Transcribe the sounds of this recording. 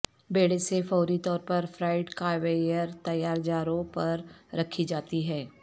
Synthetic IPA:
beːɽesefɔːɾit̪ɔːɾpɐɾfɾaːɪɖkaːʋeːjəɾt̪ɐjːaːɾd͡ʒaːɾõpɐɾɾɐkʰːid͡ʒaːt̪iɦɛː

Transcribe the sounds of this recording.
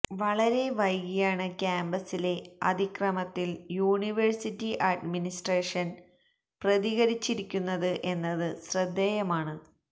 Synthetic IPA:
ʋɐɭɐɾe̞ʋɐjɡijaːɳɨkʲaːmbɐsile̞ɐ̰d̪ikrɐmɐt̪ːiljuːɳiʋɐrsitːiʔɐɖminisʈreːʂɐn | prɐðiɣɐɾit͡ɕːiɾikʲːunːɐðɨʔe̞nːɐðɨɕrɐd̪ːejɐmaːɳɨ

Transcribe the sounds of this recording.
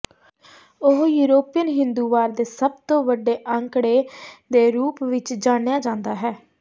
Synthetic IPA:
ʊɦjuːɾoːpijənɦɪnd̪uːʋaːɾd̪eːsəb̚t̪õːʋəɖeːʔəŋkɽeːd̪eːɾuːpʋɪt͡ʃd͡ʒaːɽejaːd͡ʒãːnd̪aːɦɛː

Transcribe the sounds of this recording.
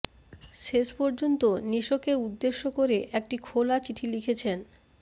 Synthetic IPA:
ʃeʃpɔɾd͡ʑont̪oniʃokeud̪ːeʃːokoɾeʔek̚ʈikʰolat͡ɕiʈʰilikʰet͡ɕʰen

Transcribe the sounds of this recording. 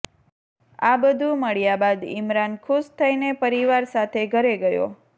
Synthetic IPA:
abəd̪ʱũməɭjabad̪ɪ̰mɾankʰuʃt̪ʰəinepəɾiʋaɾsat̪ʰeɡʱəɾeɡəjo̰

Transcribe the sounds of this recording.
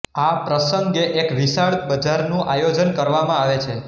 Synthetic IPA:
apɾəsəŋɡeʔekʋisaɭbəd͡ʒaɾnũʔajod͡ʒənkəɾʋamãaʋet͡ʃʰe

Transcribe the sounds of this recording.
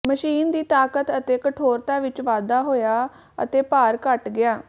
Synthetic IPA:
məʃiːnd̪iːt̪aːkət̪ət̪eːkəʈʰoːɾt̪ãːʋɪt͡ʃʋaːd̪aːɦoːjaː | ə̰t̪eːpaːɾkəʈɡɪjaː

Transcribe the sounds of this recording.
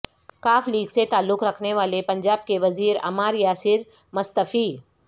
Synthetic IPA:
kaːfliːɡset̪aːlːʊkɾɐkʰneʋaːlepɐ̃ɲd͡ʒaːb̚keʋɐziːɾɐ̰maːɾjaːsɪɾ | mʊst̪əfiː

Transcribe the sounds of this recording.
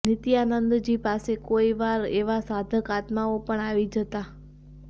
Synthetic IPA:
nɪt̪ianənd̪d͡ʒipasekoiʋaɾeʋasad̪ʱəkat̪maopəɳaʋid͡ʒət̪a

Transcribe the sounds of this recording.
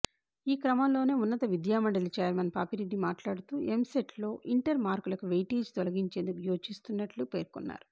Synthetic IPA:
iːkɾɐmɐmlo̞ːne̞ːunːɐt̪ɐʋid̪jaːmɐɳɖɐlit͡ʃeːlmɐnpaːpiɾeɖːimaːʈlaːɽut̪uːʔemseʈʰlo̞ːʔiɳʈɐɾmaːɾkulɐkuʋejʈiːd͡ʒt̪ɔlɐɡiɲt͡ʃe̞ːnd̪ukujoːt͡ʃist̪unːɐʈlupe̞ːɾkunːa̰ːɾu

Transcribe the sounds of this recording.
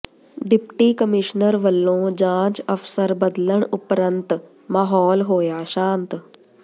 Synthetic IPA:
ɖipʈiːkəmiɕnəɾʋəlːõːd͡ʑãːt͡ɕəfsəɾbəd̪ləɳupɾənt̪ | maɦɔːlɦoːjaɕãːnt̪

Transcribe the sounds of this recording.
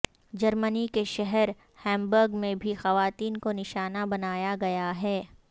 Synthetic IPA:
d͡ʒɐɾmənikeʃɛɦɛɾ | hɛ̃ːmbəɾɡmẽbʱixɐʋaːt̪iːnkonɪʃaːnabɐnaːjaɡɐjaɦɛː

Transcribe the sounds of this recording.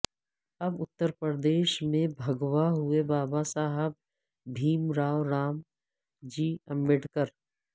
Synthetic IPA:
ɐbʊt̪ːəɾpəɾd̪eːʃmẽbʱɐɡwaɦʊebaːbasaːɦəb̚ | bʱiːmɾaːwɾaːm | d͡ʒiːə̃mbɪʈkəɾ

